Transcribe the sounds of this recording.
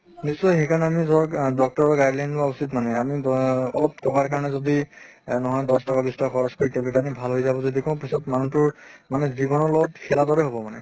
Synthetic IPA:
nisːɔjxekʰanɛamizɔɹdɔk̚tɔɹɔɡajdlajnʊausitmanɛamiɔlɔp̚tɔkaɹkaɹɔnɛzodinɔɦɔjdɔstɔkabistaakʰɔɹɔskoɹitɛbikanibʱalɦojzabɔzodikɔ̃ʊ̃pisɔtmanutʊɹmanɛziɡɔnɔlɔɔtkʰɛladɔɹɛɦobɔmanɛ

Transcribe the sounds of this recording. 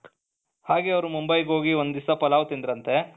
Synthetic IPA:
haːɡeːɐʋɐɾumumbɐjɡo̞ːɡiond̪d̪isɐpɐlaːʋt̪ind̪iɾɐnt̪e

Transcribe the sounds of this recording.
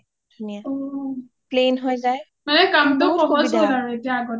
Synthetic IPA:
dʱunijaɔ | plenɦojzaj | manɛkamtɔpɔɦɔzɛlaɹuetijaːɡɔt

